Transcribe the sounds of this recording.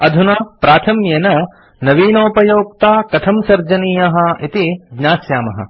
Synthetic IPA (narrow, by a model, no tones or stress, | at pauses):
ɐd̪ʱunɐpɾaːt̪ʰɐmjɐnɐ | nɐʋiːnoːpɐjoːk̚t̪aːkɐt̪ʰɐmsɐɾd͡ʒɐniːjɐɦɐ̆it̪iɡɲaːsjaːmɐɦɐ̰